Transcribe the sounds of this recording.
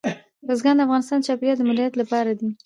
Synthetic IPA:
ɾəzɡand̪əafɣɑnɪst̪ɑnt͡ʃɑpijɑt̪̚d̪əmʊd̪jat̪lapɑɾad̪i

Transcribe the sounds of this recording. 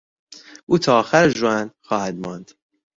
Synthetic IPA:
ʔuːt̪ʰɒːxæɾʒoænxɒːhæd̪mɒnd̪̥

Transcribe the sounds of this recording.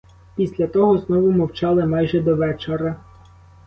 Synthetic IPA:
pʲisʲlʲɐt̪ɔɦɔznɔʋʊmɔwt͡ʃɑlˠɪmɑjʒɛd̪ɔʋɛt͡ʃeɾɐ

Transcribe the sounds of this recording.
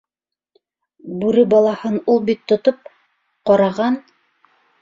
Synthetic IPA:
bʉɾɘbɑlˠɑhɤnulˠbit̪ːŏt̪op̚ | qɑɾɑʁɑn

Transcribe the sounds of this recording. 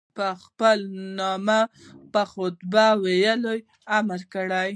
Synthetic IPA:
pəxpəlnɑmapəxʊt̪bawejaloj | amaɾkəɽaj

